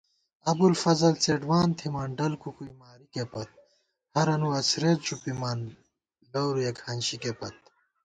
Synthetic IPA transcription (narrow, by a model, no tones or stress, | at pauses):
ɐbulfɐzɐlt͡seːɖwaːnt̪ʰimaːɳɖɐlkukuimaːɾikepɐt̪̚ | hɐɾɐnuɐsɾet̪t͡ɕupimaːn | lɐwɾujɐkʰhɐnɕikepɐt̪̚